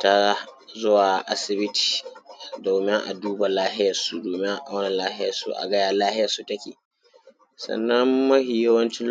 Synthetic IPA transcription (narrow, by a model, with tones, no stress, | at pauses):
ta˦a˦ | zʊ˦waː˨ʔa˦sɪ˨bɪ˦ti̥˨doː˨mɪ˦ŋʔa̰˨duː˦ba˨laː˦ɦɪ˦jɐ˨su˦doː˨mɪ˦ʔa˨wɐ˦na˨laː˦hɪ˦jɐ̰˨sṵ˨ʔa̰˨ɡɐ˦jaː˨laː˦hɪ˦jɐ˨su˨tɐ˦kʲḭː˨ | sɐ̰˨nːɐ˦mːɐ˦hiː˨jɐ˦wɐ˦nt͡ʃɪ˦